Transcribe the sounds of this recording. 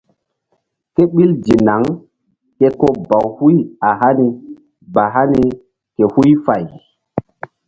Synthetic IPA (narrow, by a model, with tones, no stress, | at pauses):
ke˦ɓi˦ld͡ʒi˨na˨˦ŋ | ke˦ko˦ba˨whu˦ja˨ɦa˦ni˨ | ba˨ɦa˦ni˨ | ke˨hu˦jfa˨j